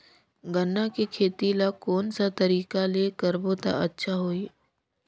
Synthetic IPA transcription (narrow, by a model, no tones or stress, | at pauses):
ɡənːakekʰeːt̪ilakɔːnsat̪ɐɾiːkaleːkəɾboːt̪a̰ɐtːʃʰaɦoːiː